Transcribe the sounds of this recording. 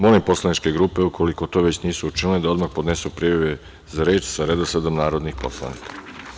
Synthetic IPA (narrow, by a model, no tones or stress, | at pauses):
molipo̞slˠanit͡ʃke̞ɡɾuːpe̞ukʰo̞liko̞t̪o̞ːʋet͡ɕniːsuut͡ʃiniled̪ao̞d̪maxpod̪ne̞supɾijaʋe | zaɾeːt͡ʃsaɾe̞d̪osad̪omnaːɾo̞d̪nixpo̞̰slˠa̰nḭkʰḁ